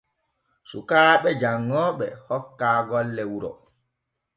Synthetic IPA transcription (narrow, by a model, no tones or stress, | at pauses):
sṵkaːɓɛd͡ʒaŋːɔɓɛhɔkːaːɡɔlːɛwuɾɔ̰